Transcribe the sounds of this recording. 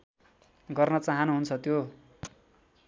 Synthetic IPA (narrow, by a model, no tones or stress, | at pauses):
ɡʌrnʌt͡saɦʌnuɦunt͡sʰʌt̪jo